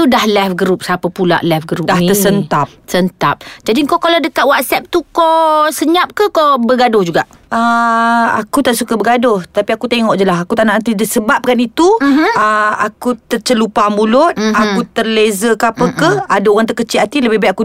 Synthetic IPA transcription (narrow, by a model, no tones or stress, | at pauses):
t̪udahlɛfɡɾup̚sapapula̰ʔlɛfɡɾudaht̪ərsənt̪ap̚sənt̪ap̚d͡ʒadiŋkokaladəkat̪̚wat̪̚sɛp̚t̪ukosəɲap̚kəhkobəɡadʊhd͡ʒuɡaʔʔ | ə | a̰kut̪aʔsukəbəɡadʊht̪apiakut̪eŋɔʔd͡ʒəlaɦakut̪aʔnaʔt̪idəsəbap̚kanit̪uəakut̪ərt͡ʃəlupamulʊt̪̚akkut̪ərlezəkapəkəhadaoɣaŋt̪ərkət͡ʃɪat̪iləbɪɦbajt̪aku